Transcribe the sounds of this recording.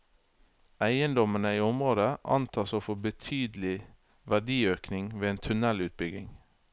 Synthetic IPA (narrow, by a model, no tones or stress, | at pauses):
æɪənd̪ɔmənəiːɔmʁoːd̪əʔɑ̰nt̪ʰɑːsoːfɔbət̪ʰyːd̪l̩ɪ | ʋæɖiːøːknɪŋʋeːeːnt̪ʰʉnɛlʉːt̪̚bʏɡɪ̰ŋ